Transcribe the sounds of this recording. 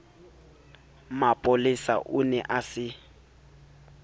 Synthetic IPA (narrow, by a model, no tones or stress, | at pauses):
mapʼolɪsa̰ʔʊnɛʔasɪ